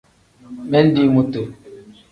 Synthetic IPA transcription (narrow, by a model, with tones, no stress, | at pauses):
mɛ˦n̩˦di˦mu˨to˨